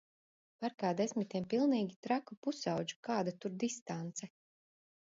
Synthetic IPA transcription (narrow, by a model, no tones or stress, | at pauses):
paɾkaːd̪esmit̪iɛmpilˠniːɡʲit̪ɾakupusawd͡ʒu̥kaːd̪at̪uɾd̪ist̪ant̪sɛ